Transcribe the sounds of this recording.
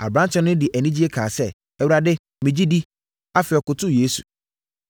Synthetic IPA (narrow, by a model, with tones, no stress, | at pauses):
a̰˨bɾã˦t͡ɕʰɛ̃˦nʊ̃˦dɪ˨ʔæ˨nĩ˦d͡ʑi˦e˦kʰaː˨sɛ˦ | ɛ˨wu˨a˨dɪ˦ | mɪ̃˨d͡ʑi˦di˦ | a˦fɪ˨ɔ˨kʊ˨tʰʊ˦jeː˦su̥̰˨